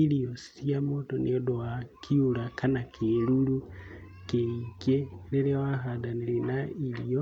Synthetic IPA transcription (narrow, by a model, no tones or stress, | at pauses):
ilijosi̥iamotonḭjodoakʰiulakʰanakʰeɾulu | keikeleɾewaɦadanilinailijo